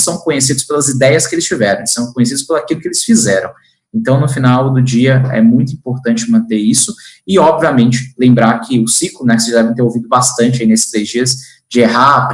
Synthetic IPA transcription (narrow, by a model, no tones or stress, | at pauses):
sɐ̃w̃kõɲesid̪ʊspelɐzid̪ɛjɐskɪelɪst͡ʃivɛɾɐ̃w̃esɐ̃w̃kõɲes̬idʊspelakilʊkɪelɪsfizɛɾɐ̃w̃ | ẽnt̪ɐ̃w̃nʊfinawd̪ʊd͡ʒiɐɛ̰mũj̃t̪ʊĩmpoɾt̪ɐ̃nt͡ʃɪmɐ̃nt̪eisʊɪɔbviɐmẽnt͡ʃɪ̥lẽmbɾaɾkʰɪʊsiklʊnɛkɪseʒad̪ɛvẽt̪̬eɾowvid̪ʊbast̪ɐ̃nt͡ʃɪainesɪ̥t̪ɾezd͡ʒiɐs | d͡ʒɪeɦap